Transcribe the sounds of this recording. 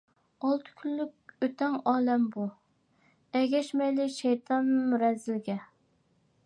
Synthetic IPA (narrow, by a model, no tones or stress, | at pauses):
ɑlˠt̪ʰɨ̥kʲʰylːyk̚ʲøt̪ʰɛŋɑːlɛmbu | ɛɡʲɛʃmɛjlɪʃɛjt̪ʰɑnmyɾɛzɪlɡʲɛ